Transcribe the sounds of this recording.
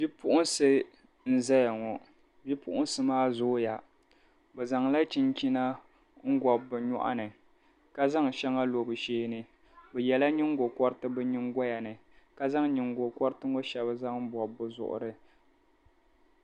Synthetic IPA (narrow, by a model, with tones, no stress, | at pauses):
bi˦pʊ˦ʔʊ˦nsɨ˦ | n̩˦zɛ˦ja˨ŋɔ˨ | bi˦pʊ̰˦ʔʊ˦n̩˦sɨ˦maː˦zʊ˦ja˨ | bɛ˨za˨ŋla˦t͡ʃi˦nt͡ʃi˦na˦ | ŋ̩˦ɡɔ˨bːɨ˨ɲɔ̰˦ʔa̰˦nɨ˨ | ka˦za˦ŋ˨ʃɛ˦ŋa˦lo˨bɨ˨ʃeː˦nɨ˨ | bɛ˨jɛ˨la˦ɲi˦ŋ˦ɡo˨kɔ˦ɾɨ˦tɨ˦bɨ˦ɲi˦ŋɡɔ˦ja˨nɨ˨ka˦za˦ŋɲi˨ŋɡo˨kɔ˦ɾɨ˦tɨ˦ŋo˦ʃɛ˨bɨ˦za˦ŋm̩˦bɔ˨bːʊ˨zʊ̰˨ʔʊ̰˨ɾɨ˨